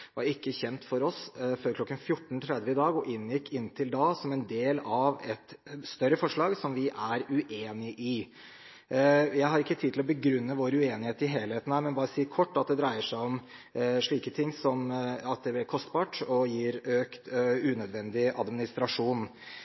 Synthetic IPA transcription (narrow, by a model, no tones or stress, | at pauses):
ʋɑɾɪkːəçɛnt̪fɔɾɔsføːɾkʰlɔkːənfjʊʈːɳ̩t̪ʰɾɛd̪ʋəɪd̪ɑːɡɔʔɪnːjɪkːɪnːt̪ʰɪld̪ɑːsɔmɛnd̪eːlɑʋɛt̪st̪œɾəfɔʂɭɑːɡsɔmʋɪʔæɾʉʔeːnɪʔɪ | jæɪhɑɾɪkːət̪ʰid̪ʰɪlɔbəɡɾʉnːəʋoːɾʉeːnɪheːt̪ɪɦeːlheːt̪ən̩hæɾmɛnbɑːɾəsiːəkʰɔʈːɑt̪̚d̪ɛd̪ɾæɪəʂæɪɔmʂɭiːkət̪ʰɪŋːsɔmɑt̪̚d̪ɛblɪkʰɔst̪bɑːʈɔjiːɾøːkt̪ʉnœd̪ʋɛnd̪ɪɑ̰d̪mɪnɪst̪ɾɑʂuːn